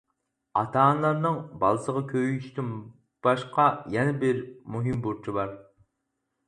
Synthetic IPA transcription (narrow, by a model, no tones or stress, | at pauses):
ɑ̰t̪ʰɑːnlˠɑɾnɨŋbɑ̰lˠɨsəʁɑkʲʰøʃt̪ʰɪn | b̥ɑʃqʰɑjɛnɛbɪɾmuɦɨmbuɾt͡ʃʰibɑɾ